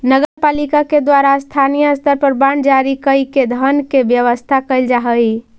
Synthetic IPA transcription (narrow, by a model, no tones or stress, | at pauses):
nəɡəɾpalikaked̪waɾast̪ʰanijəst̪əɾpəɾbaɳd͡ʒaɾikəjked̪ʱənkebjəʋəst̪ʰakəɪld͡ʒaɦəj